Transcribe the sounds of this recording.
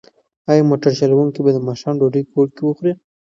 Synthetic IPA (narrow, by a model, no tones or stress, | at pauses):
ɑjɑmoʈaɾʃalawuŋkibad̪əmɑʃɑmɖoɖukoʈ̚kewəxɾi